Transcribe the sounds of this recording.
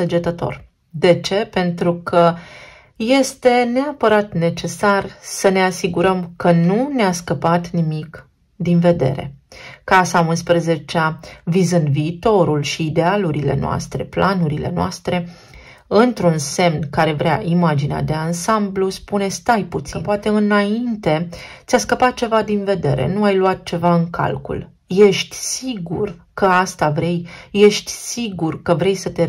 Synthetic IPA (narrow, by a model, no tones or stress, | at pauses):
sed͡ʒet̪ət̪o̞̰r | d̪e̞t͡ʃe̞pe̞nt̪ɾukʰə | je̞st̪e̞neapəɾat̪ne̞t͡ʃe̞sarsəne̞asiɡuɾəmkənuneaskəpat̪nimik | d̪inve̞d̪e̞̰ɾe̞̰kasaunspɾəze̞t͡ʃeavizɨnd̪viːt̪o̞ɾulʃiːd̪ealuɾile̞̰noa̰st̪ɾe̞̰planuɾile̞̰noa̰st̪ɾe̞ | ɨnt̪ɾunse̞mnkaɾe̞vɾeaʔimad͡ʒinea̰d̪e̞ansambluspune̞st̪ajput̪sinpoat̪e̞ɨnaint̪e̞t̪sʲaskəpat̪̚t͡ʃe̞vad̪inve̞d̪e̞̰ɾe̞̰nuajluat̪̚t͡ʃe̞vaɨŋka̰lkṵl | je̞ʃt̪ʲsiɡurkəast̪avɾe̞jje̞ʃt̪ʲsiɡurkəvɾe̞jsət̪e̞